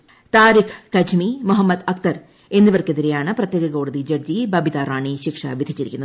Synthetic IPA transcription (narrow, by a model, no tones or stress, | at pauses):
t̪aːɾikʰkɐd͡ʑʰmimuɦɐmːɐd̪ɐkt̪ɐr | e̞nːiʋɐrkeðiɾejaːɳɨprɐt̪jeːɡɐko̞ːɽɐðid͡ʑɐɡ̚d͡ʑibɐbʱit̪aːɾaːɳiɕikʂɐ̰ʋid̪ʱit͡ɕːiɾikʲːunːɐ